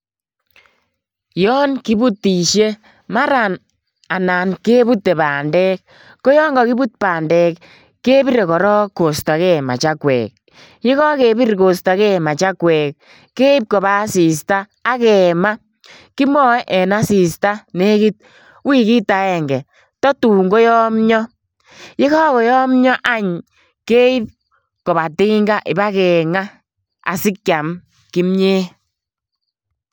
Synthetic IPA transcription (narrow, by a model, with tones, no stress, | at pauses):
jɔ˦nki˦bu˦tːi˨ʃe˦ | ma˦ɾa˨n | a˨na˨nke˦βu˦tːe˨baː˨ndɛ˦k̚ː | o˦jɔ˦ŋɡɔ˨ki˦bu˦t̚pa˨ndɛ˨kː | e˦bi˦ɾe˨kɔ˨ɾɔ˦ko˨sta˨kɛ˦ma̰˨t͡ʃa˦kwɛ̰˨k̚ | ji˦kɔ˦ke˨bi˦ɾko˨sta˨kɛ˦ma˨t͡ʃa˦kwɛ˨k̚ | kːe˦i˦p̚kɔ˨βa˦si˨s̬taː˦kɛ˨ma˦ | ki˦mɔ˦ʔɛ˨na˦si˨sta˦ne˦ki˦t̚ | wi˦ki˦ta˨˦ɛ˨ŋɡɛ˨ | tɔ˦tu˨ŋɡo˦jɔ˦mɲɔ˦ | jɪ˦ɣɔ˦kɔ˨jɔ˦mɲɔ˦ʔa˦ɲ | ke˦i˦p̚ | kɔ˨ba˨tɪ˦ŋɡa˦ʔɪ˨ba˦kɛ˨ŋa˦ | a̰˨si˦kkja˨m | ki˦mɲe˦